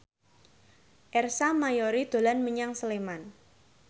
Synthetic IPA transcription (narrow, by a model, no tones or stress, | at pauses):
ʔɛrsamajɔɾid̪̥o̤lanməɲaŋsəleman